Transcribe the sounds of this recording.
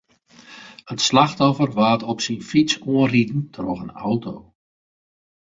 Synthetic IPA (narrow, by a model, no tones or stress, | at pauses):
ətslaxtɔfərʋaːtɔpsinfit͡suənritn̩tʰrɔxəna̰wtoː